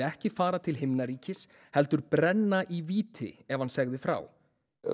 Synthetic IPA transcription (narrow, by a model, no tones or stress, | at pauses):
ɛhcɪfaːɾat̪ʰɪlɦɪmnaɾiːcɪs | hɛlt̪ʏɾpɾɛnːaʔiviːt̪ʰɪ̰ɛvhansɛɣðɪfɾa̰ːw